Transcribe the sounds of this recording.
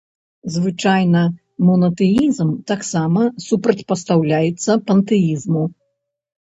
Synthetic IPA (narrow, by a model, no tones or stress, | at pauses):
zvɨt͡ʂajnɐ | mɔnɐt̪ɛjizmt̪aksamɐsupɾɐt͡sʲpɐst̪awlʲajɛt̪sːɐpɐnt̪ɛizmu